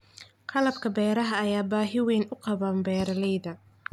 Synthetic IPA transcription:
qʰɑlɐbkʰɐbɛːɾɐɦɐːjaːbaːɦɪwɛːnʊqɑβaːnbɛːɾɐlɛjðɐ

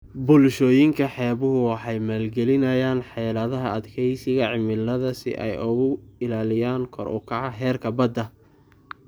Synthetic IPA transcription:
bʊlʃɔːjɪŋkʰɐħɛːβʊɦʊwɑħɑjmaːlɡɛlɪnɐjaːnħɑjlɐðɐɦɐɐd̪kʰɛjsɪɣɐʕɪmɪlːɐðɐsɪ̰ʔɛ̰jʔʊɣʊɪlaːlɪjaːŋkʰɔ̰ɾʔʊ̰kʰɐʕɑɦɛːrkʰɐbɐd̪ɐ

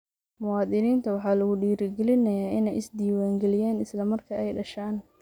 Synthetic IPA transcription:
mʊwɑːðɪniːnt̪ʰɐwɑħɑːlɐɣʊɖiːɾɪɡɛlɪnɐjaːɪnɛjɪsd̪iːwaːŋɡɛlɪjaːnɪslɐmɐrkʰɐɛjɖɐʃaːn

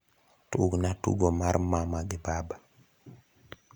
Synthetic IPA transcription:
tuɡnatṵɡɔmaɾmamaɡɛbaba

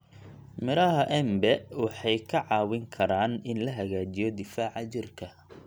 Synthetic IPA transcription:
mɪɾɐɦɐʔɛmbɛwɑħɑjkʰɐʕɑːwɪŋkʰɐɾaːnɪnlɐɦɐɣaːt͡ʃɪjɔd̪ɪfaːʕɑt͡ʃɪrkʰɐ

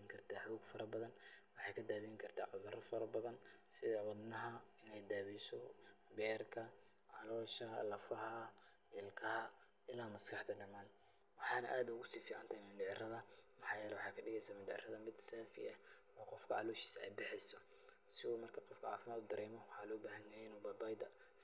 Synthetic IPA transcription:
ɪŋkʰɐrt̪ʰaːħɔːɡfɐɾʔɐbɐðɐnwɑħɑjkʰɐd̪aːβiɪŋkʰɐrt̪ʰaːʕɑɣɐɾɐfɐɾɐbɐðɐnsɪðɛwɐd̪nɐɦɐɪnɛjd̪aːβijsɔbɛːrkʰɐ | ʕɑlɔːʃɐlɐfɐɦɐ | ʔɪlkʰɐhɐ | ɪlaːmɐskʰɐħd̪ɐɖɐmaːn | wɑħɑːnɐ̰ʔaːd̪ʊɣʊsiːfiːʕɑnt̪ʰɐhjmɪndɪʕɪrɐðɐmɐħɑːjɛːlɛwʊħɑːkʰɐɖɪɣɛjsaːmɪnɖɪʕɪ̰rɐðɐmɪd̪saːfɪ̰ɛ | ɔːqɔfkʰɐʕɑ̰lɔːʃi̥ːsɐɛ̰jbɪħɛjsɔ | sɪuːmɐrkʰɐqɔfkʰɐʕɑːfɪmaːd̪ʊd̪ɐɾɛːmɔwɑħɑːlɔːbaːɦɐnjɐjɪnuːbɐbaːjd̪ɐ

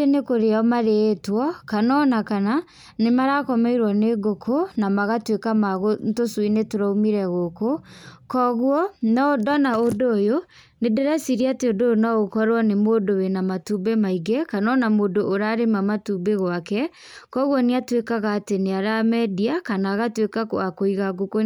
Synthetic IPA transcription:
enekoɾeaɔmaɾeːtwɔkanɔnakana | nemaɾakɔmɛiɾwɔneɡokʰonamaɣatwekamaɣontoswinetoɾaumiɾɛɣokokɔɣwɔnɔdɔnaodoːjo | nedɛɾasiɾiateodoonaɣokɔɾwɔnemodowenamatubemaiɡɛkanɔnamoːdoʔːɾaɾemamatubeɣwakɛ | kɔɣwɔneatwekaɣaːteneaɾamɛdiakanaːɣatwekako̰akoiɣaɡoko

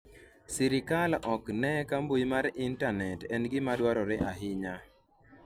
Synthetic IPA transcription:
siɾɪkalɔknɛkambojmaɾɪntanɛtɛnɡɪmadwaɾɔɾɛʔaɦɪɲa

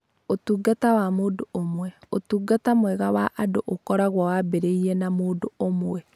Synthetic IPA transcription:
otuːɡatawamoːdoomwɛotuːɡatamwɛɣawaʔadoʔokɔɾaɣwawabeɾeiɾɛnamoːdoomwɛ

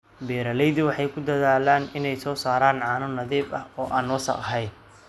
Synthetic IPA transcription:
bɛːɾɐlɛjðʊwɑħɑjkʰʊd̪ɐðaːlaːnɪnɛjsɔːsaːɾaːnʕɑːnʊnɐðiːbɐhɔːʔaːnwɔsɐ̰qɦɛj

